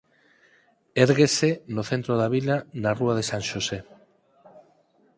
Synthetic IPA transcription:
eɾɣesenoθent̪ɾoðaβ̞ilanaruað̞esãŋʃose

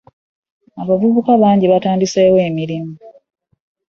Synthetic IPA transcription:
aβavuβukaβaːɲɟiβataːndise̞ːwe̞ːmiɾimu

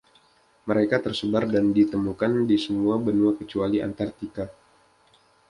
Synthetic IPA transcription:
məɾekat̪ərsəbardandit̪əmukandisəmuabənuakət͡ʃualiʔa̰nt̪art̪ika

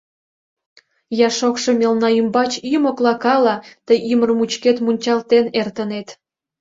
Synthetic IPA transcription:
jɑʃokʃɤ̆mʲelnɑymbɑt͡ɕimoklɑkɑlɑt̪əjʔimə̆rmut͡ɕket̪munʲt͡ɕɑlt̪enert̪ə̆net̪

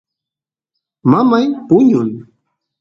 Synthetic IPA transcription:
mamajpʊɲʊn

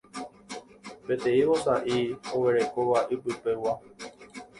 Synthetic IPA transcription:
pet̪eiwosaʔioweɾekoʋaʔipɨpewa

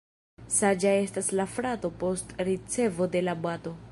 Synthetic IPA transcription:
sad͡ʒae̞staslafɾato̞po̞stɾit͡se̞vo̞de̞labwato̞

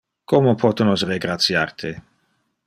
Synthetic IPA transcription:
komopʰɔt̪onos̬reɡɾat̪sja̰rt̪ʰe

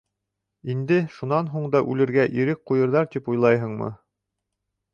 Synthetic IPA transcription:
ind̪ɘʃunɑnɦuɴd̪ɑʔʉlɘ̆ɾɡæʔiɾɘk̚qujɤ̆ɾðɑɾt̪ipujlˠɑjɦɤɴmɤ̰

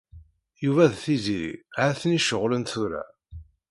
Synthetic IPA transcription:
juvæðθiziɾḭʕaθniʃəʁlənθuɾæ̰

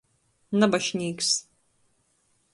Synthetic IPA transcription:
nɐbɐʃnʲiːks

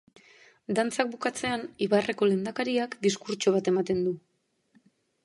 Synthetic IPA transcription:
d̪ant͡sak̚bukat͡se̞aniβare̞ko̞le̞nd̪akaɾiakd̪iskuɾt͡ʃoβ̞at̪e̞mat̪e̞nd̪u

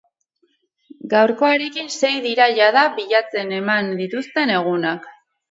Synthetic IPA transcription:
ɡawɾko̞aɾe̞kinse̞jðiɾaʎaðaβiʎat͡se̞ne̞mand̪it̪ust̪e̞ne̞ɣ̞unak

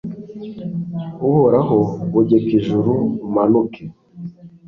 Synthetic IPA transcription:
uβoɾaɦoβuɟekiʒuɾumanuke

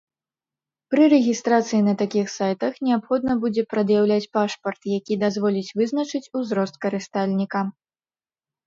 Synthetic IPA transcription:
pɾɨɾɛɣʲist̪ɾat̪sɨjinɐt̪akʲixsajt̪ɐxnʲɛapxɔd̪̚nɐbud͡zʲɛpɾɐd̪jawlʲat͡sʲpaʂpɐrt̪jakʲid̪azvɔlʲit͡sʲvɨznɐt͡ʂɨt͡sʲuzɾɔst̪̚kɐɾɨst̪alʲnʲikɐ

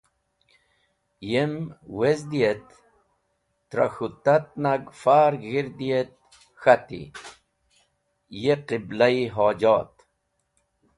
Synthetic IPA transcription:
jemwezd̪iet̪ | ɾa̰xut̪at̪̚naɡfaːɾɣiɾd̪iet̪̚ | xat̪ḭ | jeqiblaiɦoːd͡ʑaːt̪

